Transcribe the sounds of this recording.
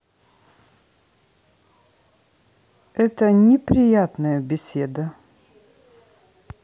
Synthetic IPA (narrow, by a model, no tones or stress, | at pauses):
ɛt̪ənʲɪpɾʲɪjat̪nəjəbʲɪsʲed̪ə